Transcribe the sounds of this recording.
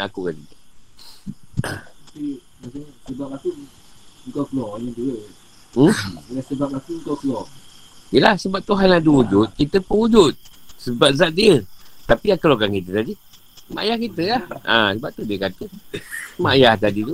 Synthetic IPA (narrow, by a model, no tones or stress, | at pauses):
akukan | at̪api | masasəbap̚aku | ŋkakəlɔʔɲadiə | m̩lasəbap̚akuŋkakəlɔ | əlahsəbap̚t̪uɦanaduudʊt̪̚kit̪əpəud͡ʒʊt̪̚səbap̚zaʔ̚diət̪apiakəloɡankit̪ət̪adi | ma̰ʔjahkit̪əaa̰səbap̚t̪udiəkat̪ə | majaht̪̬adit̪u